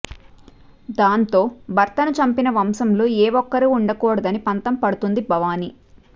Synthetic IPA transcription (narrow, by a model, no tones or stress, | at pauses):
d̪aːnt̪o̞ːbʱɐɾt̪ɐnut͡ʃɐmpinɐʋɐmsɐmloːeːʋɔkːɐɾiːɳɖɐkɔːɽɐd̪ɐnipɐnt̪ɐmpɐɽut̪und̪ibʱɐʋaːni